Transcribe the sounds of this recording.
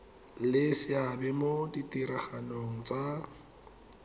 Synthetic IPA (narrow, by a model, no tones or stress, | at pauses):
lɪsɪabɛmoditʼiɾaχanoŋ̩t͡sʼa